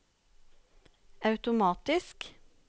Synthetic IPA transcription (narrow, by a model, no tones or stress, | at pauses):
ɑʉt̪ʊmɑːt̪ɪsk